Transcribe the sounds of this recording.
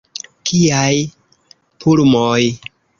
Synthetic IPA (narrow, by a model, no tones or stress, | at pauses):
kʰiaj | pʰuɾmoj